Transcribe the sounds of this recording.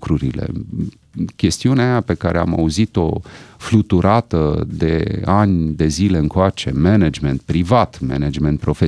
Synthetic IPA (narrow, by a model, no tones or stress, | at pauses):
kɾuɾḭlḛ | kʲe̞st̪iuneajape̞kaɾea̰ma̰uzit̪o̞flut̪uɾat̪əd̪e̞̰anʲd̪e̞zile̞ɨŋkoat͡ʃe̞mened͡ʒment̪̚pɾivat̪mḛned͡ʒment̪̚pɾo̞fe